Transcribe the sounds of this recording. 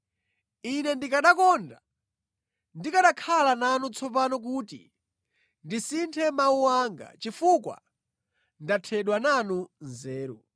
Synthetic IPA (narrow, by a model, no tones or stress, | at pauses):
inɛndikaɗakɔnda | ndikaɗakʰalananut͡sʰɔpanɔk̬uːtḭ | ndisintʰɛmauwaŋɡa̰t͡ʃifukwa̰ | ndatʰɛɗwananunzɛːɾɔ̰